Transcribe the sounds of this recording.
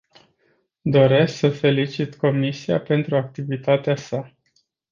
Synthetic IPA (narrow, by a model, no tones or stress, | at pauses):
d̪o̞ɾe̞sksəfe̞lit͡ʃit̪ko̞misia̰pe̞nt̪ɾuak̚t̪ivit̪at̪easa